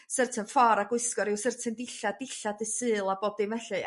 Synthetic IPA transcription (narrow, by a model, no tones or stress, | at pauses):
sərtʰənfɔɾaɡwɨskɔɾɪwsərtʰəndɪɬadɪɬadɨsɨːlˠaboːb̚dimɛɬɨ